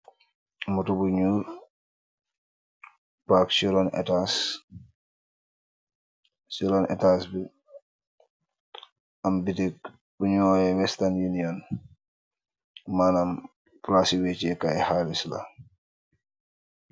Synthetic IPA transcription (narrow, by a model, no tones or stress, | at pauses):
mutubuɲuɾ | paksuɾɔnɛ̰tas | siɾɔnɛ̰tasbɛ | ambitɛk | buɲɔɔjɛwɛstanjinijɔn | manam | plasiwet͡ʃɛkaɛhalisla̰